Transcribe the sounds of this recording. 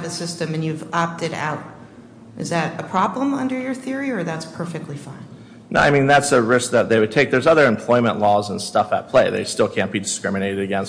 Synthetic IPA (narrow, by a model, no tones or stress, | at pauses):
vɨsɪstɨ̃mɨ̃njʉvɑp̚tɨɾa̰ʊɾ̚ | ʔɨzðɨɾɨpʰɹ̥ɑblə̃mʌ̃ndə˞jə˞θɪɹiə˞ðætspʰɜ˞fɨk̚tˡlifãɪ̃n | nʔo̰ʊa̰ɪmĩnðætsəɹɪsk̚ðɨt̪̚ðeɪwɨd̚tʰeɪk̚ðə˞zʌðə˞ɨ̃mpʰl̥ɔɪmə̰̃nʔlɔzə̃nstʌfə̰t̚pʰl̥eɪðḛɪstɪlˠkʰæ̃n̚b̥idɨskɹɪmɨneɪɾɨɾɨɡɛ̃ns